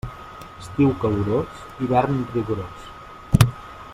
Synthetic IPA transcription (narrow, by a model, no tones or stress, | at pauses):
əst̪iwkəwɾos | iβɛɾnriɣuɾos